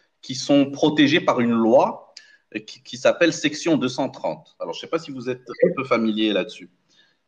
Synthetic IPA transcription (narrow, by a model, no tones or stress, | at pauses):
kʲisɔ̃pχɔt̪eʒepaʁynlwa | kkʲisapɛlsɛksjɔ̃d̪øsɑ̃t̪χɑ̰̃t̪alɔ̰ʁʒəsɛpasivuzɛt̪̚ʁɛpøfamiljelad̪əsy